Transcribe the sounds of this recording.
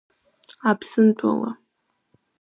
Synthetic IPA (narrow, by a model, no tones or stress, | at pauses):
apʰsɨntʷʼa̰la̰